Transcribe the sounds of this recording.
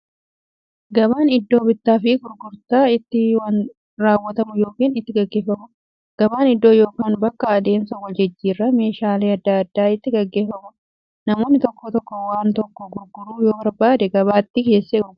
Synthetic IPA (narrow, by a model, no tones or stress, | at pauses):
ɡɐbaːnɪd̪ːo̞ːbɪt̪ːaːfɪɡʊɾɡʊɾt̪aːɪt̪ːɪwɐn | ɾaːwːɐt̪ɐmʊjo̞ːkiːnɪt̪ːɪɡɐɡːe̞ːfɐmʊ | ɡ̥ɐbaːnɪd̪ːoːjo̞ːkaːnbɐkːɐɐd̪e̞ːnsɐwɐld͡ʒɛd͡ʒːiːrːɐme̞ːʃaːleːɐd̪ːaɐd̪ːaːɪt̪ːɪɡɐɡːe̞ːfɐmʊ | nɐmo̞ːnːɪt̪ɔkːɔt̪ɔkːɔwaːnt̪ɔkːɔɡʊɾɡʊɾuːjoːbɐɾbaːd̪ɛɡɐβaːt̪ːɪke̞ːsːeː